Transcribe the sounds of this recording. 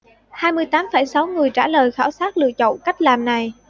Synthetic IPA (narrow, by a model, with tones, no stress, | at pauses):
haː˧jmɨ˧əjt̪aː˨˦mfə˧˩jsa˨˦wŋɨ˨˩əjt͡ɕaː˧˩ləː˨˩jxaː˧˩wsaː˦˥k̚lɨ̰˧˨ət͡ɕə̰˧˨wŋ͡mka˦˥jk̟̚laː˨˩mna˨˩j